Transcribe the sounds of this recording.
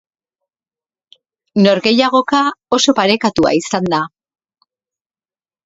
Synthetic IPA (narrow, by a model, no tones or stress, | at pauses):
no̞ɾɣe̞jaɣ̞o̞kao̞so̞paɾe̞kat̪ua̰isand̪a